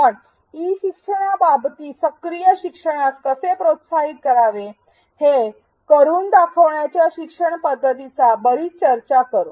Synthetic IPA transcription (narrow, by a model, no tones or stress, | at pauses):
pəɳ | iːɕikʂəɳababt̪iːsəkɾijəɕikʂəɳ̃askəsepɾot̪saɦit̪̚kəɾaʋe | he | kəɾuːnd̪akʰəʋɳjat͡ɕjaɕikʂəɳpəd̪ʱːət̪it͡sabəɾiːt͡ɕəɾt͡ɕakəɾo